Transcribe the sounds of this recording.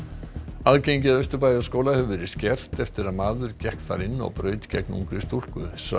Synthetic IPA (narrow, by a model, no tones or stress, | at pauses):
aðcejɲcɪðœɥst̪ʏɾpajaskoːwlahɛvʏvɛɾɪscɛr̥t̪ɛft̪ɪɾaðmaːðʏɾcɛhkt̪θa̰ɾɪnːɔ̰ɣpɾœːɥt̪cɛknṵŋkɾɪst̪ul̥kʏs